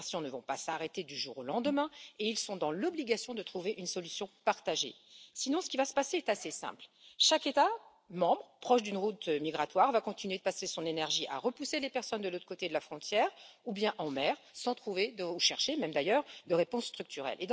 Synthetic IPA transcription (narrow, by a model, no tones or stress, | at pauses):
sjɔ̃nəvɔ̃pasaʁet̪ed̪yʒuʁolɑ̃d̪əmɛ̃eilsɔ̃d̪ɑ̃lɔbliɡasjɔ̃d̪ət̪χuveʔynsɔlysjɔ̃paʁt̪aʒḛ | sinɔ̃sə̥kʲivasə̥paseɛt̪asesɛ̰̃plʃaket̪a | mɑ̃bʁpχɔʃd̪ynʁut̪miɡʁat̪waʁvakɔ̃t̪inɥed̪əpasesɔ̃nenɛʁʒiʔa̰ʁəpuselepɛʁsɔnd̪əlot̪χəkot̪ed̪əlafχɔ̃t̪jɛːʁubjɛ̃ʔɑ̃mɛːʁsɑ̃t̪χuved̪əuʃɛʁʃemɛmd̪ajœʁd̪əʁepɔ̃sːt̪χyk̚t̪yʁɛ̰lʔḛd̪